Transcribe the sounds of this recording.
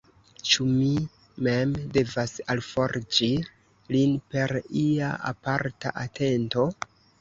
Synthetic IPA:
t͡ʃumi | me̞mde̞vasalfo̞ɾd͡ʒi | linpe̞ɾiaa̰paɾta̰ʔatʰe̞nto̞

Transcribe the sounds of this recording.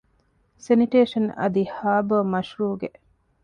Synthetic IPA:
seniʈeːʃɐnɐ̰d̪ihaːbɐmɐʃɾuːɡe

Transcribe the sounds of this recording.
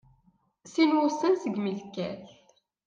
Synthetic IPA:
sinwʊsˤənsəɡməlkæ̰ɬ

